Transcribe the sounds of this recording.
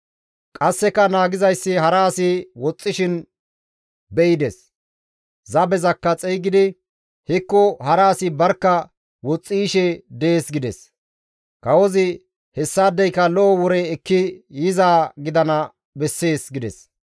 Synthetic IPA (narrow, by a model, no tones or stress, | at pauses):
kʼɐsːɛkɐnaːɡɪzɐjsːɪhɐɾaːsɪwɔt͡sʼːɪʃɪn | bɛɪd̪ɛs | zɐbɛzɐkːɐt͡sʼɛjɡɪd̪ɪ | hɪkːɔhɐɾaːsɪbɐɾkːɐ | wɔt͡sʼːiːʃɛd̪eːsɡɪd̪ɛs | kɐwɔzɪ | hɛsːaːd̪ɛjkɐlɔɔwɔɾɛːkːɪjɪzaːɡɪd̪ɐnɐ | bɛsːe̞ːsɡɪd̪ɛ̰s